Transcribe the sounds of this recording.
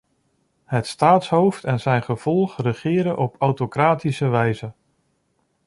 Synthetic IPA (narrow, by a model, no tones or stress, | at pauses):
ɦətstaːtsɦowftɛnzɛjnχəv̥ɔlˠχrəχɪːɾənʔɔpʰawtokraːtisəʋɛjzən